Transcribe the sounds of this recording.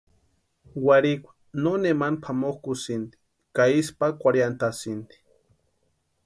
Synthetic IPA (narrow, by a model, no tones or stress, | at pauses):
waɾikʷḁ | nonemanpʰamoxkusind̪i̥ | kaispakʷaɾjant̪asint̪i̥